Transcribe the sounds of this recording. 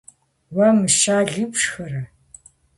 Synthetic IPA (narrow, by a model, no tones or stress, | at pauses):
wɐmɨʃaːɮɨpʂxɐɾɐ